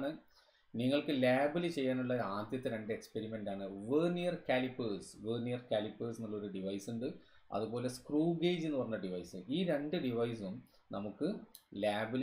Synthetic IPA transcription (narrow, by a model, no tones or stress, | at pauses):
ɳɨ | niŋːɐɭkɨlaːbɐlit͡ɕe̞jːaːnuɭːɐaːd̪jɐt̪ːeɾe̞ɳɖɨekspe̞ɾime̞ɳɖaːɳɨʋenijɐrkaːlipːɨːsʋenijɐrkaːlipːɨːsinːɐɭːɐo̞ɾuɖiʋɐjsuɳɖɨ | ɐ̰ðupo̞ːle̞skruːɡeːd͡ʑenːɨpɐrɐɲːɐɖiʋɐjsɨiːɾeɳɖɨɖiʋɐjsum | nɐmukːɨlaːbl